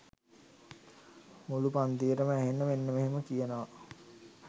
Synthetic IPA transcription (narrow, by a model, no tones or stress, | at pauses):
mulupand̪iəɾəməæɦenːəʋenːəmeɦeməkijənəʋa